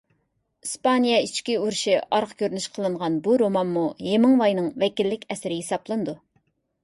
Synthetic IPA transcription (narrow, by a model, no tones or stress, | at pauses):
ispɑnijɛit͡ʃkʲiuɾʃiʔɑɾqkʲʰøɾnyʃqʰəlˠɨɴʁɑnbuɾomɑnmujemɨŋvɑjnɨŋvɛkʲilːɪkʲɛsɪɾɪɦesɑplˠɨnɨd̪u